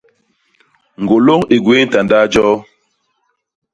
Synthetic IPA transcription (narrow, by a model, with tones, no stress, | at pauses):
ŋ̩˨ɡo˨lo˦ŋi˨ɡweː˦n̩˦ta˨ndaː˦d͡ʒɔː˦